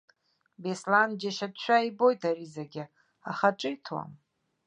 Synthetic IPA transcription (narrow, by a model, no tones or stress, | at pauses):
besland͡ʒaʃatʰʃʷᶣaibo̞jtʰaɾizaɡʲɪ | aχaʈ͡ʂʼɨjtʰwa̰m